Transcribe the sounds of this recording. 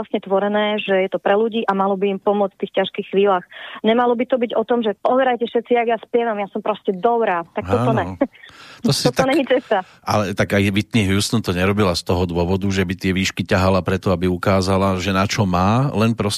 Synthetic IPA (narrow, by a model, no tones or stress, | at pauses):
asɲɛt̪ʋɔɾɛnɛːʒɛjɛt̪ɔpɾɛluɟiːʔamalɔbiːmpɔmʊɔt͡sft̪iːxcaʃkiːxxʋiːlaːxɲɛmalɔbit̪ɔbiɟɔt̪ɔmʒɛpɔʋɛɾajcɛfʃɛt̪t͡sijaɡjaspjɛʋamjasɔmpɾɔscɛd̪ɔbɾaːt̪akt̪ɔt̪ɔɛ | t̪ɔsɔɔɲɛɲit͡sɛst̪a | a̰lɛt̪aɡajʋit̪niɦjust̪ɔnt̪ɔɲɛɾɔbilast̪ɔɦɔd̪ʊɔʋɔd̪uʒɛbit̪ɪɛʋiːʃkicaɦalapɾɛt̪ɔabiukaːzalaʒɛnat͡ʃɔmaːlɛnpɾɔs